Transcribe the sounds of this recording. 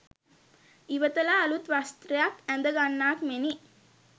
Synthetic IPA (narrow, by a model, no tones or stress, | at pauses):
iʋət̪əlaːlut̪ʋast̪ɾɐjakænd̪əɡanːaːkmeni